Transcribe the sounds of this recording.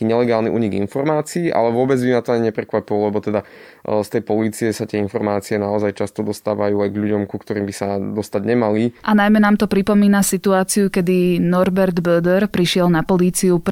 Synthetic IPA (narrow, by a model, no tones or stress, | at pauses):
iɲɛlɛɡaːlniʔṵːɲiɡḭnfɔɾmaːt͡siiːʔa̰lɛʋʊɔbɛd͡zbimat̪ɔaɲiɲɛpɾɛkʋapilɔlɛbɔt̪ɛd̪a | st̪ɛjpɔliːt͡siɛsat̪ɪɛinfɔɾmaːt͡siɛnaɔzajt͡ʃast̪ɔd̪ɔst̪aːʋajuːajɡʎuɟɔmkukt̪ɔɾiːmbisad̪ɔst̪aɟɲɛmaliʔanajmɛnaːmt̪ɔpɾipɔmiːnasit̪uaːt͡siukɛd̪inɔɾbɛɾd̪bɛd̪ɛɾpɾiʃɪɛlnapɔliːt͡siup